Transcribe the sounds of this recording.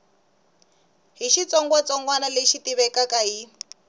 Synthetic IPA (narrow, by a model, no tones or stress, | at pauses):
ɦiʃit͡sɔŋɡwat͡sɔŋɡwanaleʃitiβɛkakaɦi